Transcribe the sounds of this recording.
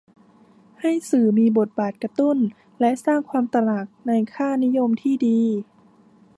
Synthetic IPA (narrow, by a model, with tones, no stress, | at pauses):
ha˥˩jsɯː˨˩miː˧bo˨˩t̪̚baː˨˩t̪̚ka˧t̪u˥˩n | lɛ˦˥ʔsaː˥˩ŋkʰwaː˧mt̪a˧la˨˩k̚na˧jkʰaː˥˩ni˦˥˨jo˧mt̪ʰiː˥˩diː˧